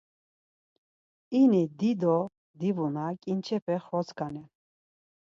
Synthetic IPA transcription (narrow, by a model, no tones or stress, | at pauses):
inid̪id̪ɔ | d̪ivunakʼint͡ʃʰɛpʰɛχɾɔt͡skʼanɛ